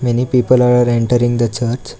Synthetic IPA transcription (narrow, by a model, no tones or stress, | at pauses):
menipiːpəlaɽəɾeɳʈəɾĩŋɡd̪ət͡ɕəɾt͡ɕ